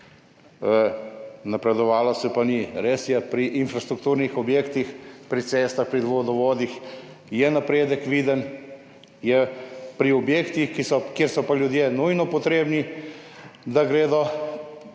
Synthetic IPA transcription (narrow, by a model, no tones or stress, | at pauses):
napɾɛd̪ɔʋaːlɔsɛpaniɾesjɛpɾiʔːnfɾast̪ɾuk̚t̪uːɾnixɔbjeːkt̪ixpɾit̪seːst̪axpɾid̪ʋod̪ɔʋoːd̪ix | jɛnapɾeːd̪əkʋiːd̪ən | jɛpɾiɔbjeːkt̪ixkisɔkjeːɾsɔpaljud̪jeːnujnɔpɔt̪ɾeːbni | d̪aɡɾeːd̪ɔ